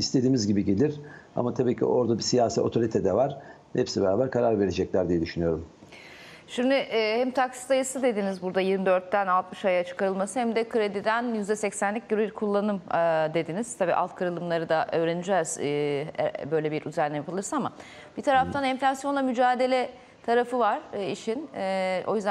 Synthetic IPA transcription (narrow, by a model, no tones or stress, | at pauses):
ist̪ʰe̞d̪iːmizɟibiɟe̞lʲiɾa̰mat̪ʰabiːcʰḭʔo̞ɾd̪abisijaːsḭo̞t̪ʰo̞ɾit̪ʰɛd̪ɛvaɾ̥ | hepsibɛɾaːbæɾkʰaɾaɾve̞ɾed͡ʒɛclʲæɾd̪ijɛd̪yʃynyjo̞ɾum | ʃimd̪yʔːhɛmt̪ʰaksi̥t̪ajɯsɯd̪e̞d̪inizbuɾd̪ajiɾmid̪ø̞ɾt̪ːænalˠt̪mɯʃajat͡ʃʰɯ̥kʰaɾɯlˠmasɯhɛmd̪ɛkʰɯɾe̞d̪id̪ænjyzd̪ɛsɛcsænlʲic̚ɟøɾybiɾkʰulˠːanɯmd̪e̞d̪iniz̥t̪ʰabiːʔa̰lˠt̪kʰɯɾɯlˠɯmlˠaɾɯd̪aʔø̞ːɾenid͡ʒɛːz̥̰ | bø̞jlʲebiɾyzæɾnʲɛjapʰɯlˠɯɾsaama | b̥it̪ʰaɾaft̪ʰanɛɱflʲasjo̞nˠamyd͡ʒaːd̪e̞lʲɛ | t̪ʰaɾafɯvaɾ̥iʃino̞̰jyzd̪æ